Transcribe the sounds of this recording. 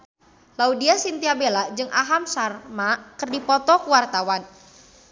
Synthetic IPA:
laudiasint̪iabelad͡ʒɨŋʔaɦamsarmakɨrdipɔt̪ɔkuwart̪awan

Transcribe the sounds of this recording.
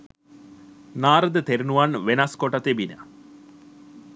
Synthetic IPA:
naːɾəd̪ət̪eɾinuʋanʋenaskoʈɐt̪ebinə̰

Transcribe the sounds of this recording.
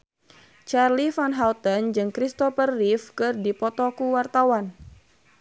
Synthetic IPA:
t͡ʃarlifanɦawt̪ənd͡ʒɨŋkɾist̪ɔfərːifkɨrdipɔt̪ɔkuwart̪awan

